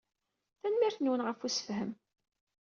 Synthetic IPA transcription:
θænmiɾθnwənʁəfusə̥fhəm

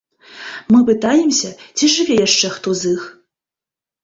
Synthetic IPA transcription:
mɨpɨt̪ajɛmsʲɐt͡sʲiʐɨvʲɛjaʂt͡ʂɛxt̪ɔzɨx

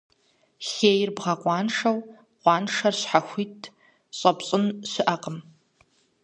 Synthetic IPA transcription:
xeːjɪrbʁɐqʷɑːnʂɐw | qʷɑːnʂɐrɕħaxʷitʰ | ɕʼɐpɕʼɪnɕɪʔɐqʼəm

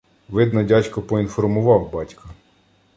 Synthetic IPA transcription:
ʋɪd̪nɔdʲɑt͡ʃʲkɔpɔinfɔrmʊʋɑwbɑtʲkɐ

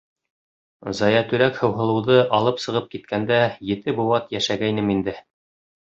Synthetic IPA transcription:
zɑjɑt̪ɵ̆ɾækhɤ̆wɦɤ̆lˠɤ̆wðɤʔɑlˠɤpsɤ̆ʁɤp̚kit̪̚kænd̪æjɘ̆t̪ɘbuwɑt̪jæʃæɡæjnɘmind̪ɘ

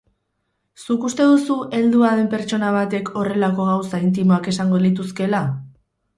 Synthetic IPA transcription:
sukust̪e̞ðusuʔe̞ld̪uaðe̞mpe̞ɾt͡ʃo̞naβ̞at̪e̞kʰo̞re̞lako̞ɣ̞awsaint̪̬imo̞ake̞saŋɡo̞lit̪̬uske̞la

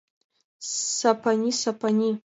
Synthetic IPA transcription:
sapʰanʲisapʰanʲi

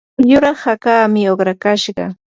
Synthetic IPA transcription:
jʊɾɑχakaːmɪoχɾakaʃɢɑ̰

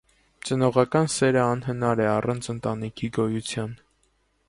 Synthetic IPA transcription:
t͡sənɔʁɑkɑnsɛɾəɑnɦənɑɾɛɑrɑnt͡sʰənt̪ɑnikʰiɡɔjut͡sʰjɑn

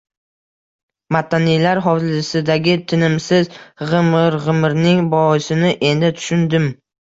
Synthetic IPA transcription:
mat̪ʰːanijlaɾɦɒlɪsɪd̪aɡʲɪt̪ʰɪnɪmsɪzʁɨmɾʁɨmɾnɪŋbɒɪsɪnɪʔe̞nd̪ɪt̪ʰʊ̥ʃʊnd̪ɪm

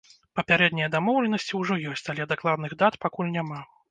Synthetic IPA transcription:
pɐpʲaɾɛd̪nʲijɐd̪amɔwlʲɛnɐsʲt͡sʲiwʐɔjɔsʲt͡sʲalʲɛd̪aklˠad̪nɨɣd̪at̪pakulʲnʲama

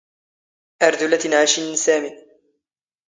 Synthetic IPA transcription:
ʔaɾˤd̪ʊlat̪nʕaʃɪnsaːmɪn

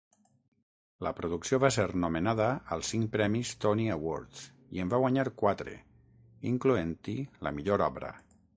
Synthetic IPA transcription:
ləpɾuðuksioβaseɾnumenaðəəlˠsiŋpɾɛmist̪ɔniawoɾt̪s | ḭembaɣwaɲaɾkwat̪ɾḛ | iŋkluent̪ilə̰miʎoɾɔβɾə̰

